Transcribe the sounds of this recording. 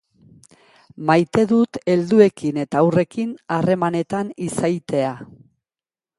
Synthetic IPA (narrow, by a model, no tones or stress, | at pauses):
majt̪e̞ðut̪e̞ld̪ue̞kine̞t̪aːwre̞kinare̞mane̞t̪anisajt̪e̞a